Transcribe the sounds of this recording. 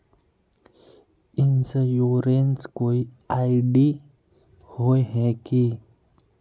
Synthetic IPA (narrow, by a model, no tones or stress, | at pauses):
ɪnsejoːɾenskoːi | aːɪɖi | hoeɦɛ̃ki